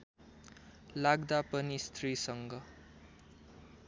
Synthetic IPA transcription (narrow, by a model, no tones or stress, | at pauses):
laɡd̪apʌnist̪ʰrisʌŋɡʌ